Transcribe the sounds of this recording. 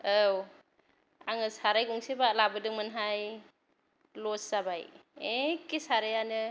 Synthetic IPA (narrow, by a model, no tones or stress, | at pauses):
aw | aŋɯsaɾajɡɔŋsebalabɯdɯŋmɯnɦaj | lɔsabajekesaɾajanɯ